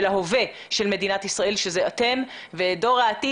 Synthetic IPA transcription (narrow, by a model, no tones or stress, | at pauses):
laɦove̞ | ʃe̞lme̞dinat̪isʁae̞lʃezeat̪e̞m | vedo̞ʁaːti